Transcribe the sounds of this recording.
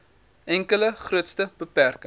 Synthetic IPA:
ʔɛŋkələχruətstəb̥əpærkə

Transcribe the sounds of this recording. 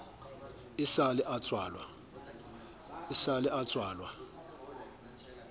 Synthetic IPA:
ɪsalɪʔat͡sʼwaːlwa | ɪsalɪʔat͡sʼwaːlwa

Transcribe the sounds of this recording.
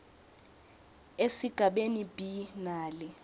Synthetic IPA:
esiɡ̥ʱaɓenib̥ʱinaːlɛ

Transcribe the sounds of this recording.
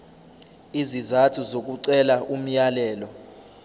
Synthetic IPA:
izizatʰuzok̬ʼuǀɛlaʔum̩jalɛːlɔ

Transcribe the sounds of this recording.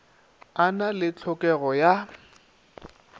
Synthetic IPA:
analɪt͡ɬʰɔkʼɛɣɔja

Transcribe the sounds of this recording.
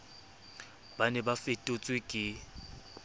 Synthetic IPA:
banɛbafetʼʊt͡sʼwɪkʼɪ

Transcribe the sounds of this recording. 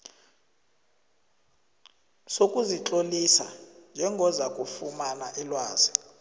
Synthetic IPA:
sokʼuziǁʼolisa̰nd͡ʒʱɛŋɡʱɔzakʼufumanaʔɛlwaːzi

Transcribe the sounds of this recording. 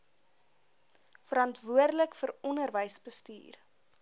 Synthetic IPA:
fəɾɐntvuərdələkfəɾɔnərvəjsbəsty̰ːr

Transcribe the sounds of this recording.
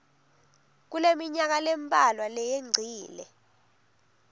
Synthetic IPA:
k̬ulemiɲak̬alempʼalwalɛjeŋ͡ǀʱiːlɛ̰

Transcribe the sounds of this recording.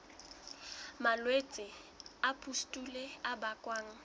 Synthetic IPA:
malwet͡sʼɪ | apʰʼustʼuleabakʼwaːŋ̩

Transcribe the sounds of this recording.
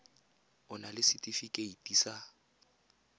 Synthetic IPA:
ʊnalɪsɪtʼifikʼeitʼisa

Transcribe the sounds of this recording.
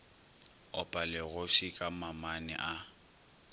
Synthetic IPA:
ɔpʼalɪɣʊfikʼamamanɛ̰ʔa

